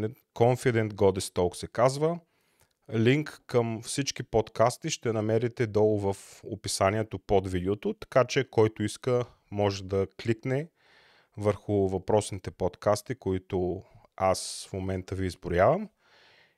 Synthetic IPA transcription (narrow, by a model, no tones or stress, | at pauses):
kɔɱfid̪ɛnt̪ɡɔd̪ɛst̪ɔksɛkazvə | liŋkːəmfsit͡ʃkipot̪kast̪iʃt̪ɛnɐmɛɾit̪ɛd̪ɔlˠʊvɐfo̰pisaniɛt̪opod̪vid̪ɛot̪ʊt̪ɐ̥kat͡ʃɛkɔjt̪ʊiskə | mɔʒɛd̪ɐkliknɛ | vəɾxʊvɐpɾɔsnit̪ɛpɔt̪kast̪ikoit̪ʊ | asfmomɛnt̪əviːzbʊɾjavəm